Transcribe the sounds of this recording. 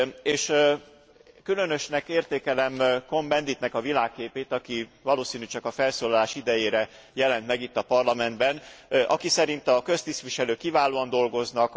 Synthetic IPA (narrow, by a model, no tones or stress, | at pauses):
eːʃ | kylø̞nø̞ʃnɛkeːrt̪eːkɛlɛmko̞mbɛnd̪iːt̪nɛkɒvilaːkːeːpeːt̪ɒkivɒloːsiːnyt͡ʃɒkɒfɛlsoːlɒlaːʃid̪ɛjeːɾɛ | jɛlɛnt̪mɛɡit̪ːɒpɒrlɒmɛnd̪bɛnɒ̰kisɛɾint̪ɒkø̞st̪ist̪ʋiʃɛløːkːivaːloːɒnd̪o̞lɡo̞znɒk